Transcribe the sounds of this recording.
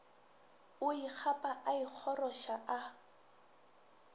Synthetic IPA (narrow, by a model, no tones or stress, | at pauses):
ʊik͡xʰapʼaʔaik͡xʰɔrɔʃaʔa